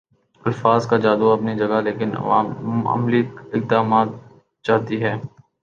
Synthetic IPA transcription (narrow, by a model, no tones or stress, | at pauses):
ɐlfaːzkad͡ʒaːd̪uɐpnid͡ʒɐɡaleːkɪn̰ʋa̰ːmɐ̰mliɪk̚d̪aːmaːt̪ | t͡ʃaːɦt̪iɦɛː